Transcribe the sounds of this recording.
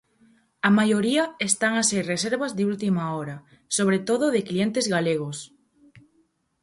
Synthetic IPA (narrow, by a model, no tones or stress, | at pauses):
amajoɾiɐest̪aŋaseɾreseɾβazðɪult̪imaɔɾa | soβ̞ɾet̪oð̞oðɪklient̪ezɣaleɣ̞os